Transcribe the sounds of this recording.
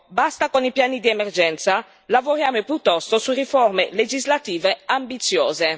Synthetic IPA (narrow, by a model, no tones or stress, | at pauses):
bast̪akonipjaːnid̪iemerd͡ʒɛnt̪sa | lavoɾjaːmopjut̪ːɔst̪osurifɔrmeled͡ʒizlat̪iːveambit̪sjoːze